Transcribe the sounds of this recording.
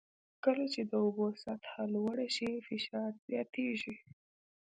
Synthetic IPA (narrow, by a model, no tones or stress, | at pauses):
kəlat͡ʃed̪əʊbosat̪halwəɽaʃifɪʃɑɾz̥jɑt̪eʒi